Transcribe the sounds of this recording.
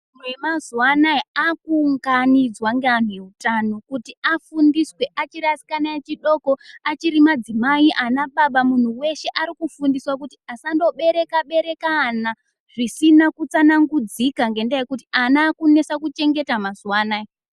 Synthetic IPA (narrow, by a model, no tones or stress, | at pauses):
muwemazwanaiakuːŋɡanid͡zwaŋɡean̤we̞utano̞kutiafundiswe̞ʔat͡ʃiɾasi̥kanaet͡ʃiɗo̞koat͡ʃiɾimad͡zimaiʔanaɓaɓamun̤uwe̞ʃe̞ʔaɾikufundiswak̬uti̥asando̞ɓe̞ɾe̞kaɓe̞ɾe̞kana | ʐ̥isinakut͡sanaŋɡud͡zikaŋɡe̞ndajekutianaːkune̞sakut͡ʃe̞ŋɡe̞tamazwaːnai